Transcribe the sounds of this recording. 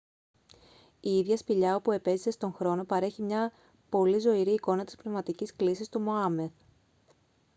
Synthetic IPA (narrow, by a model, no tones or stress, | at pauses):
iiðʝɐspiʎɐo̞pue̞pe̞zise̞st̪o̞ŋxɾo̞no̞pɐɾe̞çimɲɐ | po̞lizo̞iɾiːko̞nɐt̪i̥spne̞vmɐt̪icisklisist̪umo̞ɐme̞θ